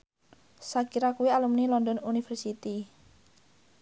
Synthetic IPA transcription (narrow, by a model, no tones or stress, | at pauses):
sakiɾakuwialumnilɔnd̪ɔnunifərsit̪i